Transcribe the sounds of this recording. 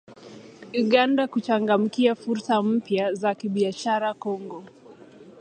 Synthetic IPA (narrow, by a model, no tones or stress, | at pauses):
uɠandakut͡ʃaŋɡam̩kiafuɾsam̩pjazakiɓiaʃaɾakɔŋɡɔ